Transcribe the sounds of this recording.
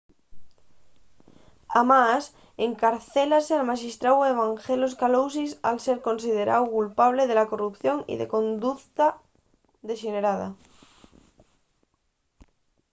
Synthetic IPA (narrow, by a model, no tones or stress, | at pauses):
amas | eŋkaɾθelasealmaʃist̪ɾaweβ̞aŋxeloskalowsisa̰lse̞ɾko̞nsiðe̞ɾʔa̰wkulpaβ̞leð̞elako̞rupθjo̞ŋḭðḛkõ̞nd̪ukt̪a | ðeʃeneɾaða̰